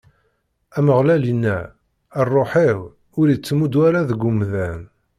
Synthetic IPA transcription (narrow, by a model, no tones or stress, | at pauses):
æməʁlælinːæ | ərˤːoħiʁ | ʊɾit͡sːmud̪waɾaðəɡʊmðæn